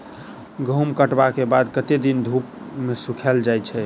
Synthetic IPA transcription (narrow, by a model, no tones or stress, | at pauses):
ɡəumkəʈbakebad̪kət̪ed̪ind̪ʱup | mesukʰɛld͡ʒajt͡ʃʰɛ